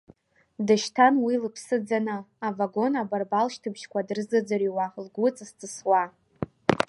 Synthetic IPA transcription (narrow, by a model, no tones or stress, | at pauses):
dɨʃtʰanwilɨpʰsɨd͡zanɨːvaɡo̞nabarbalʃtʰɨbʃkʷadrɨzɨd͡zariwalɡʷʊt͡sʼst͡sʰʼɨswa